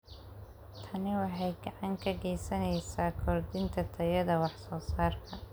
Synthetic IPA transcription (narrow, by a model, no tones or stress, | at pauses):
t̪ʰɐnɪwɑħɑjɡɑʕɑŋkʰɐɡɛjsɐnɛjsaːkʰɔrd̪ɪnt̪ʰɐt̪ʰɐjɐðɐwɑħsɔːsaːrkʰɐ